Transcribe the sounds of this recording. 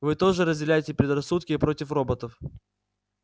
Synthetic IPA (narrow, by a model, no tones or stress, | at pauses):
vɨt̪o̞ʐɨɾəzʲdʲɪlʲæjɪtʲɪpʲɾʲɪd̪rɐsːut̪̚kʲɪːpɾo̞tʲɪfro̞bət̪əf